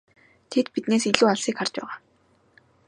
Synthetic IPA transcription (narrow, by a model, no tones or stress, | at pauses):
t̪ʰet̪pit̪neːs̬iɮuːaɮsiːkar̥t͡ɕpæ̰ːʁaː